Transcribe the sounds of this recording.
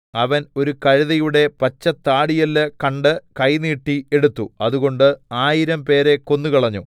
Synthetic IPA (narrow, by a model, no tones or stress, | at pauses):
ɐʋɐno̞ɾukɐɻɐðɐjuɽe̞pɐt͡ɕːɐt̪ːaːɽijɐlːɐkɐɳɖɨkɐjniːʈːie̞ɽut̪ːuɐðuɣo̞ɳɖɨaːjiɾɐmpe̞ːɾe̞ko̞nːukɐɭɐɲːṵ